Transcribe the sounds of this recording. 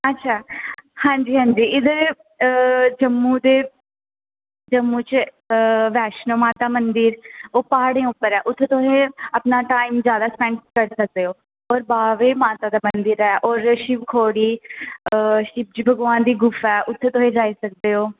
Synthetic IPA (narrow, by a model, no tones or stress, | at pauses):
ətːʃʰaːhãːɲd͡ʒiːɦãːɲd͡ʒiːɪd̪əɾ | d͡ʒəmːuːd̪eː | d͡ʒəmːuːt͡ʃ | ʋɛːʃnoːmaːt̪aːmənd̪ɪɾoːpaːɽẽːʊpːəɾɛːʔʊt̪ʰːeːt̪oɦẽːəpnaːʈaːimzjaːd̪aːspɛ̃ɳkəɾsək̚d̪eːoː | ɔːɾbaːʋeːmaːt̪aːd̪aːmənd̪ɪɾɛːʔɔːɾʃibkʰoːɽiː | ʃɪb̚d͡ʒibʱəɡʋaːnd̪iːɡʊfɛːʔʊt̪ʰːeːt̪oɦẽd͡ʒaːiːsək̚d̪eːoː